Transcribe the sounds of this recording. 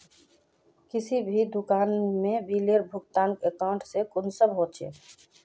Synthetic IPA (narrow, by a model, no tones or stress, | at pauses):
kɪsibʱid̪ʊkaːnmẽbiːleɾbʱʊkt̪aːnkekaʊɳʈsekʊnsəbɦoːt͡ʃʰḛː